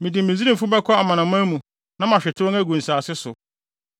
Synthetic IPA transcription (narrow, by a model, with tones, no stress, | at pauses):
mĩ˨dĩ˨mĩ˨˦zi˦ɾĩ˦˨m˨fʊ̃˦bɛ˦kʰɔ˦a˨mã˨nã˨m˦ã˦mũ˨ | nã˦mã˨ɕᶣɪ˨tʰɪ˦wɔ̃˦ŋæ˦ɡũ˨n̩˨saː˨sɪ˦sʊ˨